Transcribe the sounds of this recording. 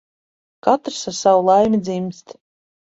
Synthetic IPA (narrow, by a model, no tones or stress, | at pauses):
kat̪ɾsasawulˠajmʲid̪zʲimʲst̪